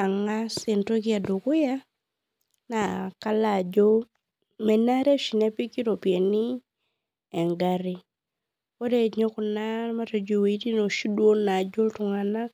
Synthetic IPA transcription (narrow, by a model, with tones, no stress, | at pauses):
a˨ŋa˦se˨nto˦kɪ˦a˨dʊ˨kʊ˦ja˦ | na˨ka˦la˨d͡ʒo˦ | mɛ˨na˦ɾe˦ʃi˨ne˦pi˦ki˦ɾo˨pi˨e˨ni˦ | ɛ˨ŋɡa˦ɾi˦ | o˦de˦˨ɲɔ˦kʊ˨na˦ɾma˦tɔ˨d͡ʒo˨we˨i˦ti˦no˨ʃi˦dwo˦na˨d͡ʒo˦ltʊ˨ŋa˨na˦k